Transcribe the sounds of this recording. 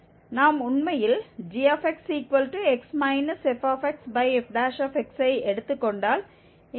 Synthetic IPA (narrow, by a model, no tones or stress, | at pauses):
naːmʊɳmɐjɪld͡ʒiːɐfɛksiːkʋɐlʈuɛksmɐɪnɐsɛfaːfɛksbɐɪɛfɖaːʃɐfɛksɐɪɛɽɯt̪ːɯkːɔɳɖaːl